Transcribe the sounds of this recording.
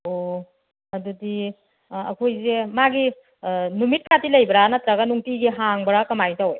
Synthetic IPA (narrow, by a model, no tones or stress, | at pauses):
o | ɐdudi | ɐ̰kʰojzemaɡi | numit̚kʰatilɐjbɾanɐtɾaɡanuŋtiɡiɦaŋbɐɾakɐmajŋtawj